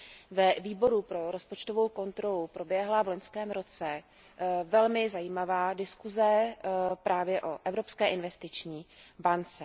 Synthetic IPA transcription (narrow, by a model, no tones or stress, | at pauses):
vɛviːbo̞ɾupɾo̞ɾo̞spot͡ʃt̪o̞vowko̞nt̪ɾo̞lupɾo̞bjɛɦlavloɲskɛːmɾo̞t͡sɛ | vɛlmɪzajiːmavaːdɪskuzɛpɾaːvjɛʔoʔɛvɾo̞pskɛːʔɪnvɛst̪ɪt͡ʃɲiːbant͡sɛ